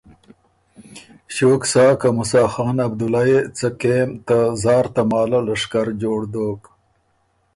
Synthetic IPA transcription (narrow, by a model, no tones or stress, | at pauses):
ɕoːksɑːkamʊsɑːxɑːnɐb̚d̪ʊlaet͡sakemt̪azɑːɾt̪amɑːlalaʂkaɾd͡ʒoːɽd̪oːk